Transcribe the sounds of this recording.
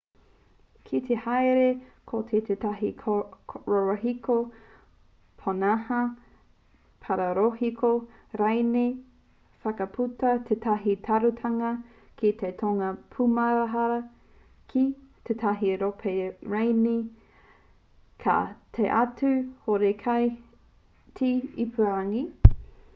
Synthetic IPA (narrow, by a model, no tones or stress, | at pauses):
kʰit̪ʰehaeɾekʰot̪ʰetʰetaɦi | ɾoɾoɦiko | pʰonahɐ | pʰaɾɐɾohikʰo | ɾajni | fɐkɐpʰutɐt̪ʰetʰaɦitʰɐɾutʰɐŋɐ | kit̪ʰetʰoŋɐpʰumɐɾaɦɐɾɐ | kʰit̪ʰetʰaɦiɾopʰeɾajni | kʰa̰t̪ʰeʔatʰʉhoɾekʰɐj | tʰiipʰuaŋi